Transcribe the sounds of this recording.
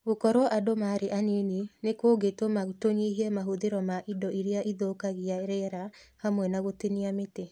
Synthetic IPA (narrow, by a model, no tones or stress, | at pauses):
ɣokɔɾwɔʔadomaɾeʔaneninekoɡetomatoɲiɦiɛmaɦuðeɾɔmaʔidɔʔiɾiaʔiðokaɣiaeɾɛɾa | hamwɛnaɣoteniamete